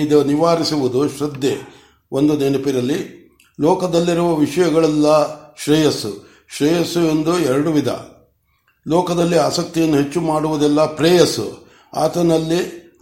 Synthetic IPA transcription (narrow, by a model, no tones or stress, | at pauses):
id̪ɐniʋaːɾisiʋud̪uʃɾɐd̪je | ond̪unɛnɐpiɾɐlːi | lɔːkɐd̪ɐlːiɾuʋɐʋiʂɐjɐɡɐɭɛlːɐʃɾɛjɐsṵ | ʃɾɛjɐsue̞nd̪uɛɾɐɽuʋid̪ɐ̰ | lɔːkɐd̪ɐlːiaːsɐk̚t̪ijɐnːuɦe̞t͡ʃːumaːɽuʋud̪ɛlːɐpɾɛːjɐsṵ | a̰ːt̪ɐnɐlːi